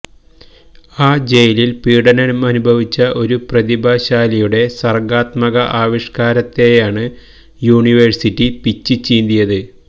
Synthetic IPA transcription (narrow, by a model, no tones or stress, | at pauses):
aːd͡ʑe̞jililpiːɽɐnɐnumɐnubʱɐʋit͡ɕːɐʔo̞ɾuprɐðibʱaːɕaːlijuɽe̞sɐrɡaːt̪mɐɣɐʔaːʋiʂkaːɾɐt̪ːe̞jaːɳɨ | juːɳiʋersitːipit͡ɕːɨt͡ɕeːnd̪ijɐðɨ